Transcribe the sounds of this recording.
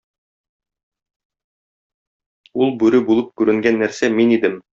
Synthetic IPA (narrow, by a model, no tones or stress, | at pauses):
ulˠbʉɾɵbulˠɤp̚kʉɾɘ̆ŋɡænːæɾsæminid̪ɘm